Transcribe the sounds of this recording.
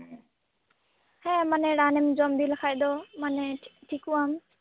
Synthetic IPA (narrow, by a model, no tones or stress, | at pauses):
hɛ̃mənɛɽaːnɪmd͡ʒɔmd̪iːləkʰaːjd̪oːməneʈʰikuam